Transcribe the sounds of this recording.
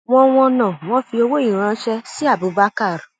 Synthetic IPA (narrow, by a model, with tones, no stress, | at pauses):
w̃ɔ̃˧w̃ɔ̃˧nã˨w̃ɔ̃˦fi˧o˧wo˦i˦˨ɾ̃ã˧˦ʃɛ˧si˦a˦˨bu˨˧˦ba˦ka˦˨ɾa˨